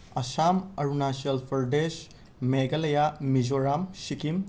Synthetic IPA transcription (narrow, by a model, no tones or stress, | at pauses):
ɐsamɐɾunasiɐlpʰɐɾdes | meɡɐlɐjamizoɾamsikim